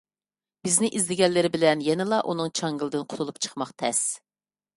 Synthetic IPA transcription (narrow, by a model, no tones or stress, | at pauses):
b̥ɪznɪʔizlɪɡʲɛnlːɪɾɪbɪlɛnjɛnɪlˠɑʔunɨŋt͡ʃʰɑŋɡilˠɨd̪ɨnqʰʊ̥t̪ʰulˠupt͡ʃʰə̥χmɑχt̪ʰɛs